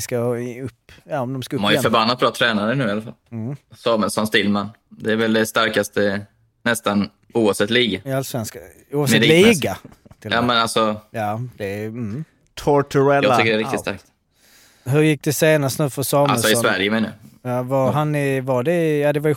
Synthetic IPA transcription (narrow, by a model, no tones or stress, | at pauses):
skaɵpːjaːɔmd̪ɔmskaɵmajɪfœɾbanːat̪̚bɾɑːt̪ʰɾɛːnaɾənʉ̟ːɪalafa̰lsɑːmɛlsɔnst̪ʰɪlmanː | d̪ɛæɾvɛld̪ɛst̪aɾkast̪ə | nɛst̪an | uːavsɛt̪ːliːɡaɪalsvɛnska | uːavsmɛd̪liːɡat̪ʰɪlamɛnalsɔjaːd̪̥ɛ | t̪ʰɔtʰʉɛljɡ̪ʏkːəɖɛɾɪkt̪ɪtst̪a̰ɾk̚t̪ | ɦɵɾjɪkːd̪ɛseːnast̪nʉ̟ːfœsɑːmaɛlsɔɪɔsvæɾjəmeːnajajaːvaɾɦanːɪvaɖɛjaːd̪ɛvaj